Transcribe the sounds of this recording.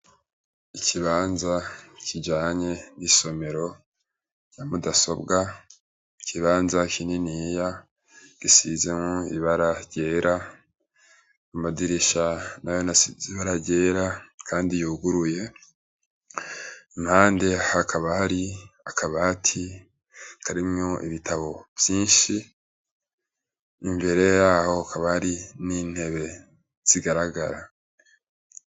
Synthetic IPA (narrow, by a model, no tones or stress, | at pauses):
icʰiβaːnzacid͡ʒaːɲe̞niso̞me̞ɾo̞ | jamudaso̞̰bɡa | icʰiβaːnzakininija | ɡ̥isizemoiβaɾaɾɟe̞ːɾʔa | amadiɾiʃanajo̞nasiziβaɾaɾɟe̞ːɾakʰaːndijuːɡuɾuje̞ | imhaːnde̞hakʰaβahaɾiakʰaβatʰi | kaɾimŋo̞ʔḭβitʰaβo̞v̥jiːnʃi | mbe̞ɾe̞jaːho̞kaβahaɾiniːn̥he̞βe̞ | z̥iɡaɾaɡaɾa